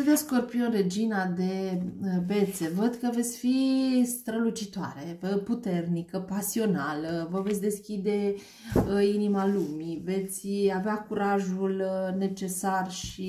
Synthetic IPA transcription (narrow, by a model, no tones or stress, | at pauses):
əd̪eskorpionɾe̞d͡ʒinad̪e̞be̞t̪se̞vəd̪kəve̞t̪sʲfist̪ɾəlut͡ʃit̪oa̰ɾe̞put̪e̞rnikəpasio̞naləvəvet̪sʲd̪e̞skʲid̪e̞ | əinimalumive̞t̪sʲaveakuɾaʒulne̞t͡ʃe̞sarʃi